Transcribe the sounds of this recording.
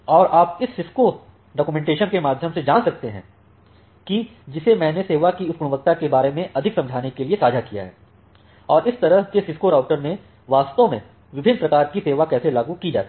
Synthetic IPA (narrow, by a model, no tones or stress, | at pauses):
ɔːɾaːpɪsːɪskoːɾ | ɖɔːkumɛ̃ːɳʈeːʃənkemaːd̪ʱjəmsed͡ʒaːlsɐk̚t̪eɦɛ̰̃ | kid͡ʒɪsemɛ̃ːneseːʋakiʊt̪̚ɡʊɽ̃ʊʋək̚t̪akebaːɾemẽʔɐd̪ʱɪksɐ̃md͡ʒʱaːnekeliesaːd͡ʒʱakija̰ɦɛ̰ː | ɔːɾɪst̪ɐɾəɦkesɪskoːɾaːʊʈəɾnẽ | ʋaːst̪õmẽ | ʋɪbʱɪnːpɾɐkaːɾkiseːʋakɛːselaːɡũkid͡ʒa̰ːt̪i